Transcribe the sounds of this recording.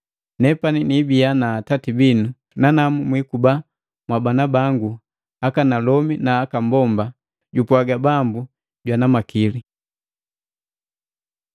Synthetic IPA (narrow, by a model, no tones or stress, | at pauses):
nɛpaninibianaːtatibinu | nanamumwikuba | mwabanabaŋɡu | akanalɔminaːkambɔmba | ɟupwaɡabambu | ɟwanamakili